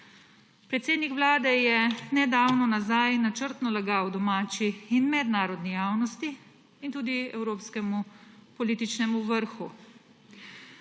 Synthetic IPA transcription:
pɾɛt̪seːd̪nikʋlaːd̪ɛjɛnɛd̪awnɔnazajnat͡ʃəɾt̪nɔlaɡawd̪ɔmaːt͡ʃiːnmɛd̪naːɾɔd̪nijaːwnɔst̪iː | nt̪uːd̪iɛ̰wɾoːpskɛmupɔliːt̪it͡ʃnɛmuʋəɾxṵ

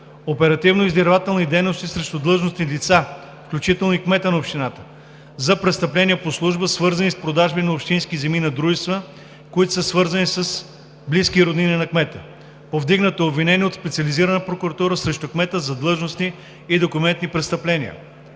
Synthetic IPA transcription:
opɛɾɐt̪ivnoizd̪ɛɾvat̪ɛlˠnid̪ɛjnost̪isɾɛʃt̪ʊd̪lˠɤʒnosnilit̪sa | fklʲut͡ʃit̪ɛlˠnoikmɛt̪ənɐopʃt̪inat̪ə̥ | zɐpɾɛt̪st̪ɐplɛnʲiəposlˠuʒbəsvɤɾzɐnispɾod̪aʒbinɐopʃt̪inskizɛminɐd̪ɾuʒɛst̪və | koit̪o̥səsvɤɾzɐnisəs | bliskiɾod̪nininɐkmɛt̪ə | povd̪iɡnət̪oobvinɛniɛot̪spɛt̪siəliziɾənəpɾokʊɾɐt̪uɾəsɾɛʃt̪ʊkmɛt̪əzɐd̪lˠɤʒnosniː | d̪okʊmɛnt̪nipɾɛt̪st̪ɐplɛniə̰

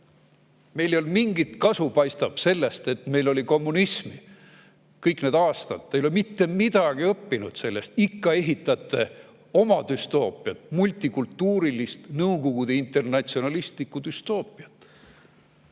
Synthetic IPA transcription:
me̞jlejolmiŋɡit̪kɑsupɑjst̪ɑb̥se̞lːest̪e̞t̪me̞jlo̞lʲiko̞mːunismi | kɤjkne̞ːd̪ɑːst̪ɑd̪ːejolemit̪ːe̞mid̪̥ɑɡ̥iɤpːinud̪̥se̞lːe̞st̪ikːɑe̞ɦit̪ːˑɑt̪ːˑe̞ | o̞mɑd̪̥yst̪o̞ːpˑiɑt̪mulʲt̪ˑikult̪ːuːɾilist̪nɤuko̞ɡ̥ud̪eint̪ˑe̞rnɑt̪sio̞nɑlist̪likːˑud̪̥yst̪o̞ːpˑiɑt̪ːˑ

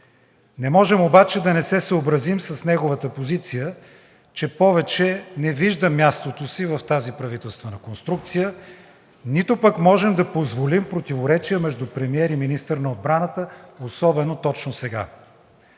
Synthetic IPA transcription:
nɛmɔʒɛmobat͡ʃɛd̪ɐnɛsɛsəobɾɐzimsɐsnɛɡʊvət̪əpozit̪sijə | t͡ʃɛpɔvɛt͡ʃɛnɛviʒd̪əmʲjast̪ot̪osivɐft̪azipɾɐvit̪ɛlˠst̪vənɐkonst̪ɾuk̚t̪sijə | nit̪opəkmɔʒɛmd̪ɐpozvolimpɾot̪ivoɾɛt͡ʃiəmɛʒd̪upɾɛmiɛɾiminist̪əɾnɐod̪̚bɾanət̪əosɔbɛnot̪ɔt͡ʃnosɛɡa̰

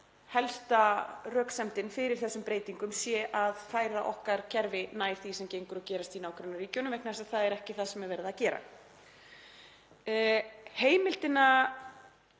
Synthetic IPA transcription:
hɛlst̪arœːksɛmt̪ɪnfɪɾɪɾ̥θɛsːʏmpɾeːjt̪iŋkʏmsjɛʔaðfaːjɾaʔɔhkaɾ̥cʰɛɾvɪnaːjɾ̥θisɛmcejŋkʏɾɔcɛːɾast̪inaːwkʰɾɛnːariːcownʏmvɛknasaðθaðɛɾɛhcɪθaðsɛmɛɾvɛjɾɪðaðcɛːɾa̰ | heːjmɪl̥t̪ɪna

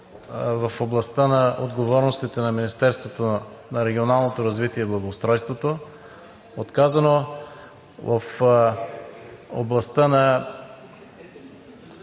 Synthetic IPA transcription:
vɐfoblˠɐst̪ənɐʔod̪ɡovɔɾnost̪it̪ɛnɐminist̪ɛɾst̪vot̪onɐɾɛɡʲionalˠnot̪oɾɐzvit̪iɛiblˠɐɡoʊst̪ɾɔjst̪vot̪o | ot̪kazɐno | vɐf | o̰blˠɐst̪ənɐ

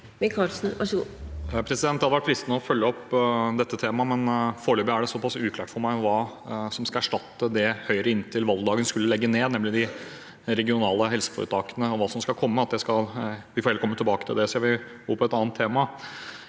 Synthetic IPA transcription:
mɪkʰɑlsn̩ʋɑʂ | pʰɾɛsɪd̪ɛnt̪ɑlʋæʈ̚pʰɾɪst̪nəɔfœlːəɔpd̪ɛt̪ːət̪ʰeːmɑmɛnfoːɭøːbəəæɖɛsɔpɑsʉːkʰlæːʈfɔɾmæɪʋɑː | sɔmskɑæʂʈɑt̪ːəd̪ɛhœʏɾəɪnːt̪ʰɪlʋɑld̪d̪ɑːɡənskʉlːəlɛɡːəneːd̪nɛmlɪd̪ɪ | ɾɛɡɪʊnɑːləɦɛlsə̥fɔ̰ɾə̰t̪ʰɑːkənəɔʋɑːsɔmskɑlkʰɔmːəɑt̪̚d̪æɪskɑlʋɪfɔɾɛləkʰɔmːət̪ɪlbɑːkə̥t̪ʰɪld̪ɛseʋɪɡoːpʰɔɛt̪ɑːnt̪ʰːeːmɑ

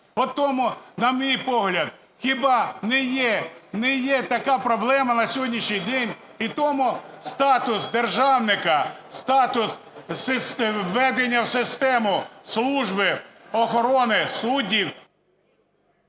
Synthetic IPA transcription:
ɔt̪ɔmʊnɐmʲijpɔɦlʲɐd̪̚ | xʲɪbɑnɛjɛnɛjɛt̪ɐkɑpɾɔblˠɛmɐnɐsʲɔɦɔdʲnʲiʃnʲijd̪ɛnʲ | it̪ɔmʊst̪ɑt̪ʊsd̪erʒɑwnɪkɐst̪ɑt̪ʊssɪsʋɛd̪enʲːɐwsɪst̪ɛmʊslˠuʒbɪɔxɔɾɔnɪsudʲiw

